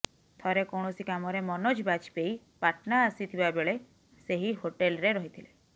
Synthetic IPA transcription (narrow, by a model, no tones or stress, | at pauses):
t̪ʰɔɾekɔwɽ̃ɔsikamɔɾemɔnɔd͡ʒbat͡ʃi̥pej | paʈnaːsit̪ʰibabeɭe | seɦiɦoʈelɔɾeɾɔɦit̪ʰile